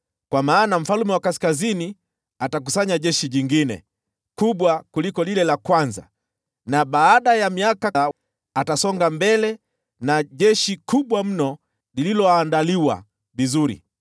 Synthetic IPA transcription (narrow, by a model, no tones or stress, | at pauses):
kwamaːnam̩falumɛwakaskazini | atak̬usaɲaʄɛʃiʄiŋɡinɛ̰ | kuɓwakulikɔlilɛlakwanza̰ | naɓaːɗajamiaka | atasɔŋɡambɛlɛ | naʄɛʃikuɓwam̩nɔ | lililɔaːndaliwa̰ | vizuɾḭ